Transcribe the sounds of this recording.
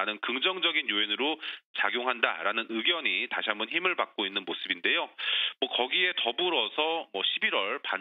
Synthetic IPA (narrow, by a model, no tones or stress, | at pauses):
anɯnkɯŋd͡ʑʌŋd͡ʑʌɡinjoenɯɾot͡ɕaɡjoŋɦanda̰ɾanɯnɯɡjʌɲitaɕʰiɦambʌnɦimɯɭpak̚k͈oinːɯnmosʰɯbinde̞jomwʌkʌɡie̞tʌbuɾʌsʰʌmwʌɕʰibiɾwʌɭpa